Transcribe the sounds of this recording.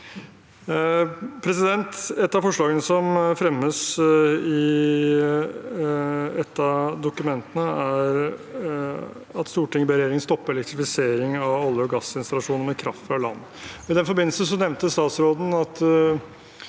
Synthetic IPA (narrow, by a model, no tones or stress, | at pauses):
pʰɾɛsɪd̪ɛnt̪ɛt̪ːɑfɔʂɭɑːɡənəsɔmfɾɛmːəsɪ | ɛt̪ːɑd̪ʊkʉmɛnt̪ənəæɾ | ɑt̪st̪uːʈɪŋəbəɾɛjeːɾɪŋəst̪ɔpːəɛlɛkt̪ɾɪfɪseːɾɪŋɑʋɑlːəɔɡɑsɪnst̪ɑlɑʂuːnəɾmɛkʰɾɑ̰ft̪fɾɑlɑ̰nː | ɔɪd̪ɛnfɔɾbɪnl̩sn̩s̬ɔnɛʋnt̪əst̪ɑːt̪sɾoːd̪n̩ɑt̪